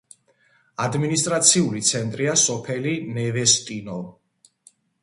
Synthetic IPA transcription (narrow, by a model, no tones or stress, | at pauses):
ad̪minist̪ʼɾat̪sʰiulit̪sʰɛnt̪ʼɾiasɔpʰɛlinɛvɛst̪ʼinɔ